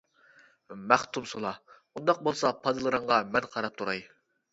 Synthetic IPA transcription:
mæχt̪ʰumsolˠɑ | und̪ɑq̚bolˠsɑpʰɑd̪ɨlˠɨɾɨɴʁɑmɛnqʰɑɾɑp̚t̪ʰuɾɑj

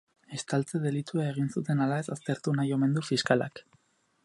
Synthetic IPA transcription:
e̞st̪alt͡se̞ðe̞lit̪uae̞ɣ̞insut̪e̞nalae̞sast̪e̞ɾt̪unajo̞me̞nd̪ufiskala̰k

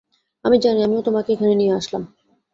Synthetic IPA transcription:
amid͡ʑaniamiot̪omakeekʰanenijeaʃlam

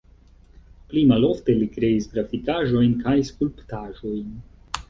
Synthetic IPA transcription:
plimalo̞fte̞likɾe̞isɡɾafikaʒo̞jnkajskulptaʒo̞jn

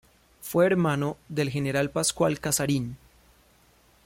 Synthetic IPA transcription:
fwe̞ːɾmanoðe̞lxe̞neɾalpaskwalkasaɾin

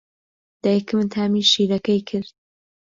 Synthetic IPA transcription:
d̪̥ajkʰɨmnt̪ʰaːmiːʃiːɾɐkɐjkʰɨɾd̪

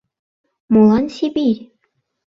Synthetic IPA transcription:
molˠɑnsʲibʲiɾʲ

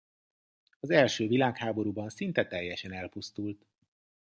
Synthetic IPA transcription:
ɒzɛlʃøːvilaːkhaːbo̞ɾuːbɒnsint̪ɛt̪ɛjːɛʃɛnɛlpust̪ult̪

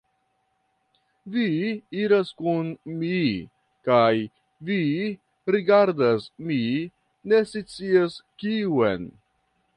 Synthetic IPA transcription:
viiɾaskunmi | kaj | vi | ɾiɡaɾdasmi | ne̞sit͡siaskiuḛn

